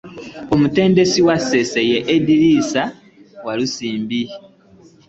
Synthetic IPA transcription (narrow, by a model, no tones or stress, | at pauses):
o̞mute̞ːnde̞siwase̞sejeʔːdiɾiːsa | walusiːmbi